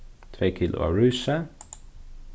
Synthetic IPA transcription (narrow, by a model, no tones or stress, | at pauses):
t̪ʰɾeːkʰiːlʊ̰a̰ɹʉːsə